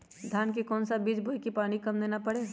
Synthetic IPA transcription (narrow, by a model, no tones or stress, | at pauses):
d̪ʱjaːnkikɔːnsabiːd͡ʒbʱoikipaːɽ̃ikɐmd̪eːnapɐɽeː